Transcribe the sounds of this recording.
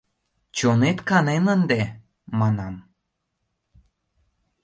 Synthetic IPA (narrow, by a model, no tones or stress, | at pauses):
t͡ɕonet̪kɑnenənd̪e | mɑnɑm